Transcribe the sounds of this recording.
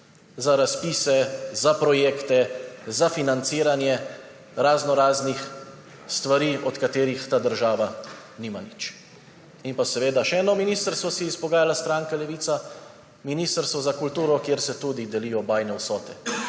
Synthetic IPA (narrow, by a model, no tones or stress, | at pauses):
zaɾaspiːsɛzapɾɔjeːkt̪ɛzafinant̪siːɾanjɛ | ɾaznɔɾaːznix | st̪ʋaɾiːɔt̪kat̪eːɾixt̪aːd̪əɾʒaːʋa | niːmanit͡ʃ | inpasɛʋeːd̪aʃɛɛːnɔminiːst̪əɾst̪ʋɔsiispɔɡaːjalast̪ɾaːŋkalɛʋiːt̪sa | miniːst̪əɾst̪ʋɔzakult̪uːɾɔkjeːɾsɛt̪ud̪id̪ɛliːjɔbaːjnɛwsɔːt̪ɛ